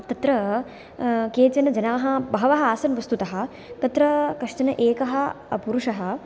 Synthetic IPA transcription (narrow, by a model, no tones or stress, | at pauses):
t̪ɐt̪ɾɐ | keːt͡ʃɐnɐd͡ʒɐnaːɦɐbɐɦɐʋɐɦɐaːsɐnʋɐst̪ut̪ɐɦɐ̆ | t̪ɐt̪ɾɐkɐʂʈɐnɐʔeːkɐɦɐ̆ɐpuɾuʂɐɦɐ̆